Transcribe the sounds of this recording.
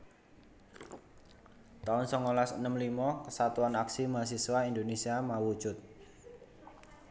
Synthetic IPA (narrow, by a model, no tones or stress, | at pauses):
t̪aʊnsɔŋolasənəmlimɔkəsat̪uanaksimas̬iswaindonesiamawu̥d͡ʒʊt̪̚